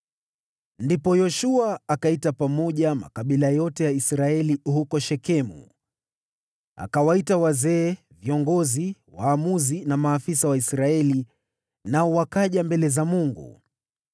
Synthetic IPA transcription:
ndipɔjɔʃuaːkaitapamɔʄama̰kaɓilajɔtɛjaisɾaɛlihukɔʃɛkɛmṵ | a̰kawaitawazɛː | viɔŋɡɔziwaːmuzinamaːfisawaisɾaɛli | naɔwakaʄambɛlɛzamuŋɡṵ

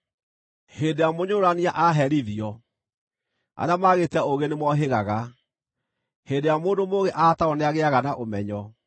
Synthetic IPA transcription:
heːdejamoɲoɾaniaʔaɦɛɾiðiɔ | a̰ɾeamaɣetɛoɣenemwɔɦeɣaɣa | hedejamoːndomoɣeʔataɔneaɣeaɣanaʔomɛɲɔ

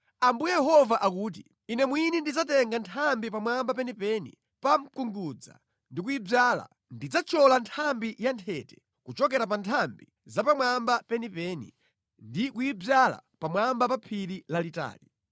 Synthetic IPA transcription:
ambujɛjɛɦɔvaʔakuːt̬i | inɛmwinindid͡zatɛŋɡantʰambipamwambapɛnipɛnḭ | pam̩kuŋɡud͡za̰ | ndik̬ujib͡ʐaːla̰ | ndid͡zat͡ʃʰɔlantʰambijantʰɛtɛ̥ | kut͡ʃɔk̬ɛɾap̬antʰambi | zapamwambapɛnipɛnḭ | ndikujib͡ʐala̰pamwambapapʰiɾilalita̰ːli

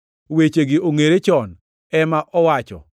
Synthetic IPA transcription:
wet͡ʃeɡɪʔoŋeɾet͡ʃɔn | ɛmaʔɔwat͡ʃɔ̰

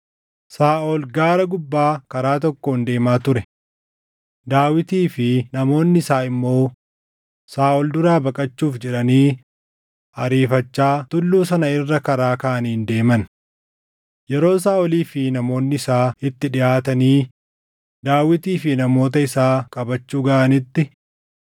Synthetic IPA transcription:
saːʔoːlɡaːɾɐɡʊbːaːkɐɾaːt̪ɔkːoːnd̪e̞ːmaːt̪ʊɾɛ | d̪aːwɪt̪iːfɪnɐmo̞ːnːɪɪsaːɪmːo̞ː | saːʔɔld̪ʊɾaːbɐkʼɐt͡ʃːuːfd͡ʒɛᶑɐniː | ɐɾiːfɐt͡ʃːaːt̪ʊlːuːs̬ɐnɐɪrːɐkɐɾaːkɐːʔɐniːnd̪e̞ːmɐn | jɛɾo̞ːs̬aːʔɔliːfɪnɐmo̞ːnːɪɪsaːɪt̪ːɪᶑɪʔaːt̪ɐniː | d̪aːwɪt̪iːfɪnɐmo̞ːt̪ɐɪsaːkʼɐbɐt͡ʃːuːɡɐʔɐnɪt̪ːɪ

